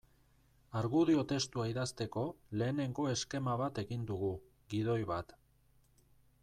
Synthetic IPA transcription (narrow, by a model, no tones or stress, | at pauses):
aɾɣuðio̞t̪e̞st̪uaiðast̪e̞ko̞le̞ːne̞ŋɡo̞e̞ske̞maβat̪e̞ɣind̪uɣu | ɣiðo̞jβat̪